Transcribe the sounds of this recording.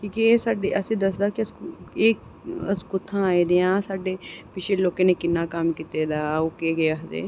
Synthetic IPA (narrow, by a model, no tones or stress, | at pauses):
kiːkeesaːɖeːʔəsĩːd̪əsd̪aːkɪəseːk | əskʊt̪ʰãːaːid̪eãːsaːɖeːpɪt͡ʃʰeloːkãːneːkɪnːaːkəmkit̪eːd̪aːoːkeːɡeːaɦd̪ḛː